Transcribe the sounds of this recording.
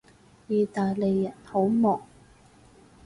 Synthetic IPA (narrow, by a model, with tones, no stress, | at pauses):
jiː˨˩t̪aː˨jle˨jːɐ˨˩nho˨˥wmɔː˨˩ŋ